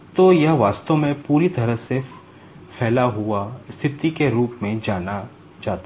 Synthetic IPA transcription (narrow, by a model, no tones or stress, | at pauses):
t̪oːjɐɦʋaːst̪õmẽpuːɾit̪ɐɾəɦsef | fʰɛːlaɦuaɪst̪ɪɾt̪ikeɾuːpmẽd͡ʒaːna | d͡ʒaːt̪a